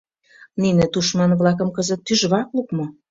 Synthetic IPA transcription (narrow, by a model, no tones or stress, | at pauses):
ninĕt̪uʃmɑnβlɑkə̆mkəzə̆t̪ːyʒβɑklukmŏ